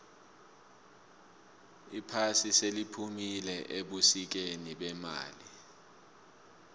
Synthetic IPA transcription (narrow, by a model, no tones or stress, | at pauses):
ipʰasiselipʰumilɛʔeɓusik̬eniɓɛma̰ːli